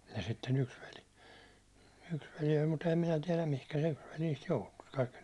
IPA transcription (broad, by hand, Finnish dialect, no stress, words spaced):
jɑ sitːen yks ʋeli yks ʋeli olʲ mut ehæm minæ tiɛlæm mihkæ se yks ʋeli niːst joutu kɑikːi